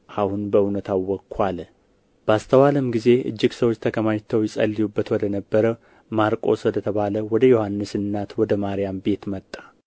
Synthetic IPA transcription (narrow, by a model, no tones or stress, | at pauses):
ʔahunbəɨnət̪ʰawːɔkʰːal | b̥əast̪ʰəwaləmɡize̞ʔɨ̰d͡ʒːɪɡsəwo̞t͡ʃːt̪ʰəkʰəmaɲt̪ʰəwjɛsʼə̰lːijubːət̪wɔd̪ənəbːəɾə | maɾkʼo̞swɔd̪ət̪ʰəβaləwɔd̪əjo̞hanːɨsɨnːat̪wɔd̪əmaɾijambe̞t̪mət̪ʼːḁ